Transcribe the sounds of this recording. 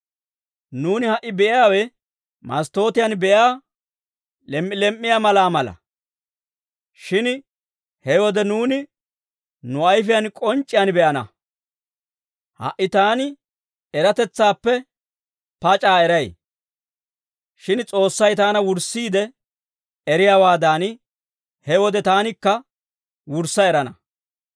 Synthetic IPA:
nuːnɪhɐʔːɪbɛʔɪjaːwɛ | mɐ̰st̪o̞ːt̪ɪjɐnbɛʔjaː | lɛmʔːɪlɛmʔːɪjamɐlaːmɐlɐ̰ | ʃɪn | hɛwɔd̪ɛnuːnɪ | nʊɐjf̬ɪjɐnkʼɔnt͡ʃʼːɪjanbɛʔɐnɐ̰ | hɐ̰ʔːɪt̪aːnɪ | ɛɾɐt̪ɛt͡sːaːpːɛ | pɐt͡ʃʼaːɛɾɐj | ʃɪnt͡sʼo̞ːsːɐjt̪aːnɐwʊɾsːiːd̪ɛ | ɛɾɪjaːwaːd̪aːn | hɛwɔd̪ɛt̪aːnɪkːɐ | wʊɾsːɐɛɾɐnɐ

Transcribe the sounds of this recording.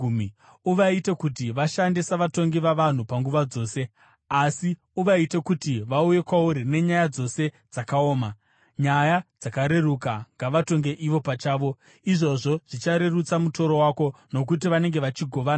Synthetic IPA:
m | uʋaitekutiʋaʃandisaʋato̞ŋɡiʋaʋan̤upaŋɡuʋad͡zo̞ːse̞ | asi | uʋaitekutiʋauje̞kwauɾine̞ɲajad͡zo̞se̞ | d͡zakao̞ːma | ɲajad͡zakaɾe̞rukaŋɡaʋato̞ŋɡe̞ʔiʋo̞pat͡ʃaːʋo̞ | iʐo̞ʐo̞ʐ̥it͡ʃaɾe̞rut͡samuto̞ɾo̞wako̞no̞k̬ut̬iʋane̞ŋɡe̞ʋat͡ʃiɡʱo̞ʋaːna

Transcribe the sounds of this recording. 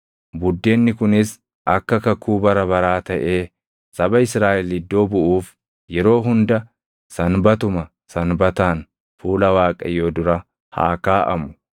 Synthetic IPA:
bʊd̪ːe̞ːnːɪkʊnɪs | ʔɐkːɐkɐkːuːbɐɾɐbɐɾaːt̪ɐʔe̞ː | sɐbɐɪsɾaːʔɛlɪd̪ːo̞ːbʊʔuːf | jɛɾo̞ːɦʊnd̪ɐ | sɐnbɐt̪ʊmɐ | sɐnbɐt̪aːn | fuːlɐwaːkʼɐ̰joːd̪ʊɾɐ | ha̰ːkaːʔɐ̰mʊ̥

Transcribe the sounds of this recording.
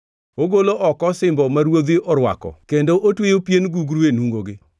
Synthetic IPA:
oɡoloʔɔkɔsɪmbɔmaɾwod̪ɪʔɔɾwa̰kɔ̰kendoʔotwejopjenɡuɡɾuenuŋɡoɡɪ

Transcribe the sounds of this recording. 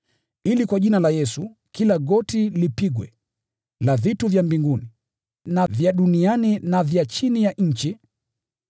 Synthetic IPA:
ilikwaʄinalajɛsu | kilaɡɔtilipiɡwɛ̰ | lavituvjambiŋɡuni | navjaɗunianinavjat͡ʃinijaɲ̩t͡ʃi

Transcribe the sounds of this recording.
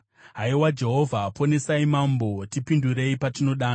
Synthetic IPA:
ɦaiwad͡ʒe̞ɦo̞vʱapone̞saimambo̞tipinduɾe̞ipatino̞ɗaːn

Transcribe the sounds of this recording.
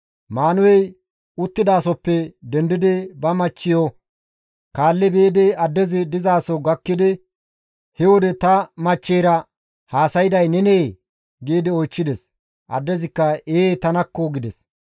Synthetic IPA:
maːnʊwɛj | ʊt̪ːɪd̪aːsɔpːɛd̪ɛnd̪ɪd̪ɪbɐmɐt͡ʃːɪjɔ | kaːlːɛbeːd̪ɛɐd̪ːɛzɪd̪ɪzaːsɔɡɐkːɪd̪ɪ | hɛwɔd̪ɛt̪ɐmɐt͡ʃːeːɾɐ | haːsɐjɪd̪ɐjnɛneː | ɡeːd̪ɪɔjt͡ʃːɪd̪ɛs | ʔɐ̰d̪ːɛzɪkːɐeːt̪ɐnɐkːɔɡɪd̪ɛs

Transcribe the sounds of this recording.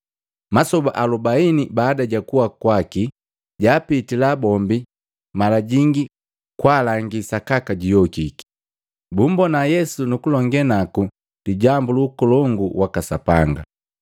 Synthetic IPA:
masɔbaʔalubainibaːdaɟakuwakwaki | ɟaːpitilabɔmbi | malaɟiŋɡi | kwaːlaŋɡisakakaɟijɔkiki̥ | bum̩bɔnajɛsunukulɔŋɡɛnaku | liɟambuluːkɔlɔŋɡuwakasapaŋɡa̰

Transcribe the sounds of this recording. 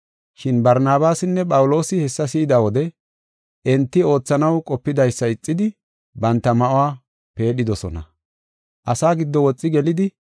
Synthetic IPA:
ʃɪnbɐɾnaːbaːsɪnːɛpʼɐwʊlo̞ːsɪhɛsːɐsiːd̪awɔd̪ɛ | ʔɛnt̪ːɪo̞ːt͡sːɐnɐwkʼɔpːɪd̪ɐjsːɐɪt͡sʼːɪd̪ɪ | bɐnt̪ːɐmɐʔʊwaː | pe̞ːɗɪd̪ɔsɔ̰nɐ̰ | ʔɐsaːɡɪd̪ːɔwɔt͡sʼːɪɡɛlɪd̪ɪ

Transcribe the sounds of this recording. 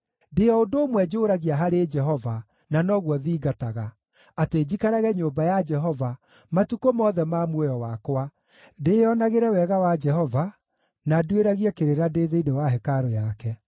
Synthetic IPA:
deɔondoːmwɛd͡ʒoɾaɣiaɦaɾed͡ʒɛɦɔva | nanɔɣwɔðiːɡataɣa | ateːd͡ʑikaɾaɣɛɲobajad͡ʒɛɦɔva | matukomɔðɛmamwojɔwakwa | deɔnaɣeɾɛwɛɣawad͡ʒɛɦɔva | nadueɾaɣiɛkeɾeɾadeðeinewaɦɛkaɾɔjakɛ

